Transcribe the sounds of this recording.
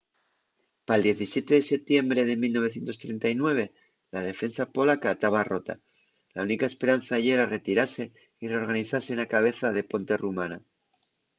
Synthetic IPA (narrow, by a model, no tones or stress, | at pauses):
paeld̪je̞θisje̞t̪e̞ðe̞se̞p̚t̪je̞mbɾe̞ðe̞milnoe̞θje̞nt̪o̞st̪ɾe̞nt̪ajnwe̞βe̞ | lað̞e̞fe̞nsapo̞lakaːt̪aβaro̞t̪a̰ | launikae̞spe̞ɾan̟θaʝeɾare̞t̪iɾase̞ | ire̞o̞ɾɣaniθaɾse̞nakaβ̞e̞θaðe̞po̞nt̪e̞rumana